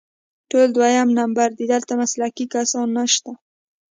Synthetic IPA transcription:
ʈold̪wajamnambaɾd̪id̪əlt̪amaslakikasɑnːaʃt̪a

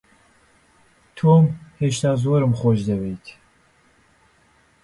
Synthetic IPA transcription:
t̪ʰoːmheːʃt̪aːzoːɾɨmχoːʃd̪ɐbejt̪ʰ

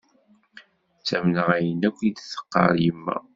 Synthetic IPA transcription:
t͡sːæmnəʁæjənækʷːid̪θə̥qːɑ̰ɾˤjəmːæ̰

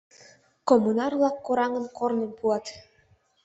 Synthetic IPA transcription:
komːunɑrβlɑkːoɾɑŋənkornempuɑt̪

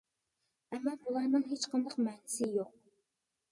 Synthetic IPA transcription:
ɛmːɑːbulˠɑɾnɨŋɦet͡ʃqʰənd̪ɑqmɛnɪsɪjoq̚

